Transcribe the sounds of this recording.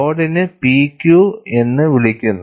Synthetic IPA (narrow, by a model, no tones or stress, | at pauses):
oːɽinɨpiːkʲːjue̞nːɨʋiɭikʲːunːɐ